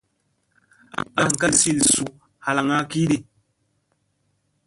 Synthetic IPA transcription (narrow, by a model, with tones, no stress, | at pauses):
a˨ŋ˨ka˦lsi˦˨lsu˨ | ha˨la˨ŋa˦ki˦di˦˨